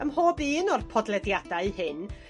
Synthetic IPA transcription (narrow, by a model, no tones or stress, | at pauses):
əmhoːbiːnɔrpʰɔdlˠɛdjadaɨhɨn